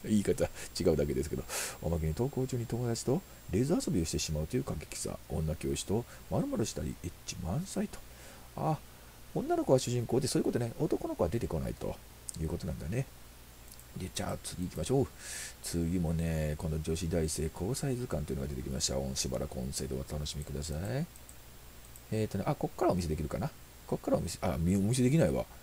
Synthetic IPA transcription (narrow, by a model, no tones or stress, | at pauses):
iːkat̪at͡ɕiɡaɯ̟d̪ak̬e̞d̪esɨ̥ke̞d̪o̞̰o̰mak̬e̞ɲ̟it̪o̞ːko̞ːt͡ɕɨːɲ̟it̪o̞mo̞d̪at͡ɕi̥t̪o̞ | ɾe̞zɨaso̞bʲio̞ɕi̥t̪e̞ɕimaɯ̟t̪o̞jɯ̟ːkaɡekʲi̥sa̰õ̰nːakʲeo̞ɕi̥t̪o̞ | maɾɯ̟moɾoɕi̥t̪a̰ɾʲḭet͡ɕimãɰ̃sait̪o̥ | a | õ̞nːano̞ko̞βaɕɨʑĩŋko̞ːd̪e̞soːiko̞t̪o̞ne̞ʔot̪o̞ko̞no̞ko̞βad̪e̞t̪e̞ko̞na̰ḭt̪o̞̰ | jɯ̟ːko̞t̪o̞nã̰nd̪ane̞ | d̪e̞t͡ɕa̰ːt͡sɨɡʲiːkʲimaɕo̞ːt͡sɨjʲɯmo̞ne̞kõ̞nd̪od͡ʑo̞ɕid̪aise̞ːkʰo̞ːsaizɨkãnt̪o̞jɯ̟noɡad̪e̞t̪e̞kʲimaɕi̥t̪a̰õ̞ɰ̃ɕiba̰ɾʔa̰kõse̞ːd̪o̰βat̪ano̞ɕimʲikɯ̟d̪as̬ai | et̪oneʔako̞kːaɾao̞mʲis̬eekʲiɾɯ̟kana | ko̞kːaɾaomiseʔamʲiomʲis̬e̞d̪ekʲinaiβa̰